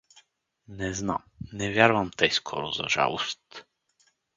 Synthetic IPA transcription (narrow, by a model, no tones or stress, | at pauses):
nɛzna̰mnɛvʲjaɾvɐmt̪əjskʰɔ̰ɾʊzɐ̰ʒa̰lˠost̪